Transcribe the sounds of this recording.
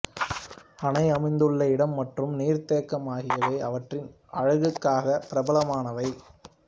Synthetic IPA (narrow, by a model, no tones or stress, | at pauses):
ɐnɐɪɐmɐɪnd̪ɯɭːɐɪɽɐmːɐʈrɯmniːɾt̪eːkːɐmaːɣɪjɐʋeːɐʋɐʈrɪn | ʔɐɻɐɣɯkːaːɣɐpɪɾɐbɐlɐmaːnɐʋɐɪ